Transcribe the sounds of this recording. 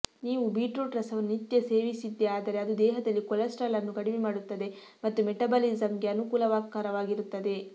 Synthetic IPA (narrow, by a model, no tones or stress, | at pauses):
niːʋubiːʈɾoːʈɾɐsɐʋɐnːnit̪jɐseːʋisid̪ːeaːd̪ɐɾe̞ɐd̪ud̪ɛːɦɐd̪ɐlːikɔlɐsʈɐlɐnːuɡɐɽiʋimaːɽut̪ːɐd̪e̞ | mɐt̪ːumeʈɐbɐlizɐmɡeɐnukuːlɐʋaːkaːɾɐʋaːɡiɾut̪ːɐd̪e̞